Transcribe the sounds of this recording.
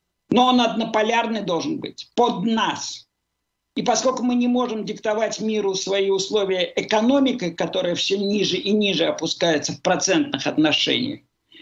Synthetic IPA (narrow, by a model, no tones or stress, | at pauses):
noonɐd̪nəpɐlʲarnɨjd̪o̞lˠʐɨnbɨ̰tʲpod̪nas | ipɐsko̞lʲkʊmɨnʲɪmo̞ʐɨmdʲɪkt̪ɐvatʲmʲiɾʊsvɐiʊslˠovʲɪjəʔɪkɐno̞mʲɪkəjkɐt̪o̞ɾɨjəfsʲɵnʲiʐɨʔɪnʲiʐɨɐpʊskajɪt̪səfpɾɐt̪sɛnt̪̚nɨxɐt̪nɐʂɛ̰nʲɪ̰jə̰